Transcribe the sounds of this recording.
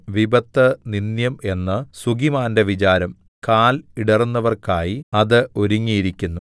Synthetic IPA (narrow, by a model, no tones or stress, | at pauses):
ʋibɐt̪ːɐninjɐme̞nːɨsuɡimaːndeʋit͡ɕaːɾɐm | kaːliɽɐrunːɐʋɐrkaːjiɐðɨo̞ɾuŋːijiɾikʲːunːu